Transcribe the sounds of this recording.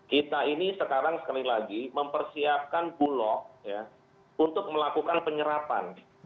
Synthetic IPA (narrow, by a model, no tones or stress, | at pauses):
kit̪ainisəkaɾaŋsə̥kalilaɡiməmpərsiap̚kanbulɔk̚ja | unt̪ʊk̚məlakukanpəɲəɾapa̰n